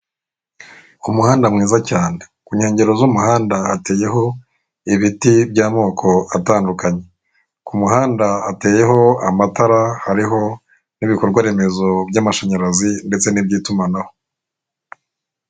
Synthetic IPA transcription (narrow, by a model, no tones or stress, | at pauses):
umuhaːndamŋiːzacaːnekuɲhe̞ːɲɟe̞ɾo̞zumuhaːndaːte̞ːje̞ɦo̞ | iβitibɟaːmo̞ːkʰo̞ataːndukaɲe̞ | kumuɦaːndaːte̞ːje̞ɦo̞amataɾahaɾiɦo̞ | niβiko̞ɾɡwaɾe̞me̞zo̞bɟamaʃaɲaɾazinde̞t͡se̞nibɟiːtumanaho